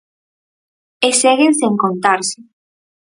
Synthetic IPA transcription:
eseɣenseŋkont̪aɾse

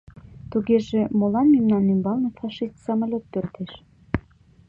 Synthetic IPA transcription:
t̪uɣeʒemolɑnmimnɑnːymbɑlnɤfɑʃist̪sɑməlʲot̪ːørt̪eʃ

